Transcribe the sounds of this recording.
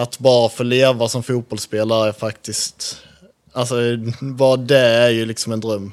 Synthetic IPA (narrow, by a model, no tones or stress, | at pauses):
at̪bɑːɾafœɭeːvasɔmfuːt̪̚bɔlspeːlaɾæɾfakt̪ɪst̪ | alsɔbɑːɾad̪ɛæɾjɵlɪksɔmɛnd̪ɾœmː